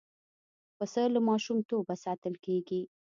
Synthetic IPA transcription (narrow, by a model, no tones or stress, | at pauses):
pəsəlamɑʃumt̪obasɑt̪əlkeɡi